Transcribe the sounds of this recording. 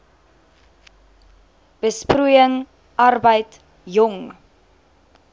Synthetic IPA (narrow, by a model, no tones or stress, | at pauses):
b̥əsprujəŋ | ʔɐrbəjt | jɔŋ